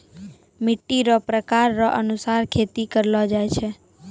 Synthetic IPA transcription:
mɪʈːiɾopɾəkaɾːoʔənusaɾkʰet̪ikəɾlod͡ʒajt͡ʃʰe

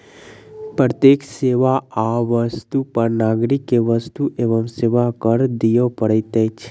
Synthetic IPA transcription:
pɾət̪jekseʋaaʋəst̪upəɾnaɡɾikeʋəst̪uʔeʋəmseʋakəɾd̪ijopəɽet̪et͡ʃʰ

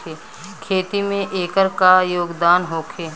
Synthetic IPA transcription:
eː | kʰeːt̪imẽʔeːkəɾkajoːɡd̪aːnɦoːkʰeː

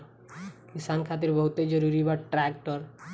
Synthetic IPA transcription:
kisankʰat̪̬iɾbɔɦut̪ed͡ʑɔɾuɾibaʈɾɛkʈɔɾ

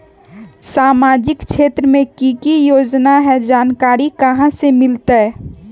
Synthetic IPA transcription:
saːmaːd͡ʒɪkʃʰeːt̪ɾəmẽkikijoːd͡ʒnaɦɛd͡ʒaːnkaːɾikɐɦãsemɪlt̪aɛ

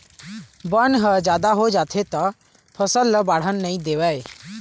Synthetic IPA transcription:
bənɦəd͡ʒaːd̪aɦod͡ʒaːt̪ʰet̪ɔ | pʰəsəlːəbaːɽ̤ənːəĩd̪eːʋae

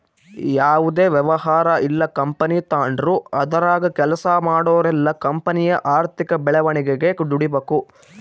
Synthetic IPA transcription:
jaːʋud̪eːʋjɛʋɐɦaːɾɐʔilːɐkɐmpɐnit̪aːɳɖɾuɐd̪ɐɾaːɡɐkɛlɐsɐmaːɽoːɾɛlːɐkɐmpɐnijɐʔaːɾt̪ʰikɐbɛɭɛʋɐɳiɡeɡekɖ̪uɽibeːku

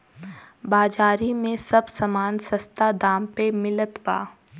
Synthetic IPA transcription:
baːd͡ʒaːɾimẽsɐbsɐmaːnsɐst̪ad̪aːmpemɪlət̪ba̰ː

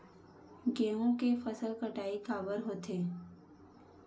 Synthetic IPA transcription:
ɡẽːõkefəsəlkəʈaːikaːbəɾɦoːt̪eː

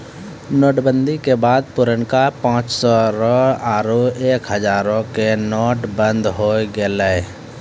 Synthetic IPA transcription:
nɔːʈbə̃nd̪ʱikebaːd̪̚pʊɾəɳkapãːt͡ʃsɔɾɔaːɾoeːkɦəzaːɾõkenɔːʈbə̃nd̪ɦoːɡeleː

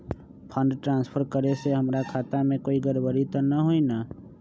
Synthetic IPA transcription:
pʰə̃ɳɖʈɾãːnspʰəɾkəɾeseɦəmɾakʰaːt̪amẽkoːiɡəɾbəɾit̪ɔnəɦoinaː

